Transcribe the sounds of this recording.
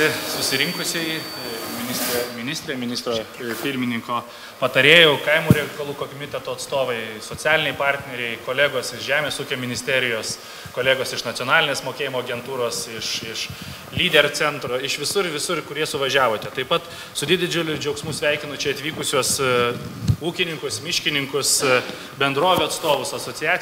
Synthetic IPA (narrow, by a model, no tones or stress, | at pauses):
ɪsʊsʲɪɾʲɪŋkʊsʲɛɪmʲɪnʲɪsʲt̪ʲɾʲeːmʲɪnʲɪsʲt̪ʲɾʲeːmʲɪnʲɪst̪ɾoːpʲɪɾʲmʲɪnʲɪŋkoː | pɐt̪ɐɾʲeːjɛʊkɐɪmuːɾʲɛlʲɪkɐlˠuːkomʲɪt̪ʲɛt̪oːɐt̪st̪oːʋɐɪsoːtt͡sʲæːlʲɪnʲɛɪpɑːɾʲt̪ʲnʲɛɾʲɛɪkoːlʲæːɡoːsɪʃʒʲæːmʲeːsuːkʲoːmʲɪnʲɪsʲt̪ʲæːɾʲɪjoːs | koːlʲeːɡoːsɪʃnɐt̪ʲoːnɑːlʲɪnʲeːsmoːkʲeːjɪmoːɐɡʲɛnt̪uːɾoːsɪʃɪʃ | lʲiːd̪ʲɛrt͡s̪ʲɛnt̪ɾoɪʃʋʲɪsʊɾʋʲɪsʊrkʊɾʲiɛsʊʋɐʒʲæːʋoːt̪ʲɛt̪ɐɪpɐt̪ | sʊd̪ʲɪd̪ʲɪd͡ʒʲʊlʲʊd͡ʒʲɛʊksmuːsʲʋʲæɪkʲɪnʊt͡ʃʲɛɐt̪ʲʋʲiːkʊsʲuɔs | uːkʲɪnʲɪŋkʊsmʲɪʃʲkʲɪnʲɪŋkʊs | bʲɛnd̪ɾoːʋʲoːɐt̪st̪oːʋʊsɐsoːt͡s̪ʲɪjæː